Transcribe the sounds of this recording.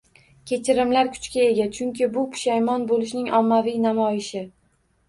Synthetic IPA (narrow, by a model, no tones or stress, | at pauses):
kʲʰe̞t͡ʃʰɪɾɪmlaɾkʰʊ̥t͡ʃkʲae̞ɡʲat͡ʃʰʊŋkʲɪbʊpʰʊ̥ʃajmɒnbolɪʃnɪŋʔɒmːavijnamɒjɪʃɪ